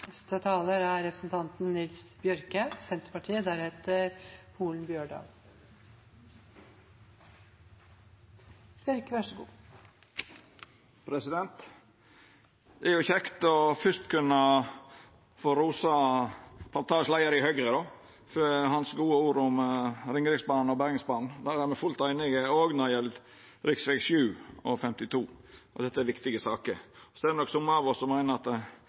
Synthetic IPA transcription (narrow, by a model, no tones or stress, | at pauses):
ɛst̪ət̪ʰɑːləɾæɾɾɛpɾəsn̩t̪ʰɑnt̪nnɪlsbjœɾkəsɛnt̪ɾəpɑʈʰiːəd̪æɾhɛt̪ʰəɾhuːɭn̩bjøːɖɑ̰ːl | b̥jœɾkəʋæʂəɡṵː | pʰɾɛsɪd̪ɛnt̪ | ʔɛɾjʊçɛkt̪ɔfʏst̪kʰʉnə | foːɾuːsɑ | pʰɑnt̪ʰɑːʂlæɪəɾəɪhøɡɾəd̪ɔ | føhɑnsɡuːəuːɾʊmɾɪŋɾɪɡsbɑːnɔbæɾɪŋsbɑːnn̩d̪æɾæɾmɛfʉlt̪æɪnɪɡəoːɡnɔɾjɛl | ɾɪksʋɛɡʃjʉːɔfɛmt̪ɪt̪ʰuːɔd̪ɛt̪ːəæɾʋɪkt̪ɪɡəsɑːkəɾɔsɔɛd̪ɛnɔksʊmːəɑʋɔsːɔmːæɪnəɾɑt̪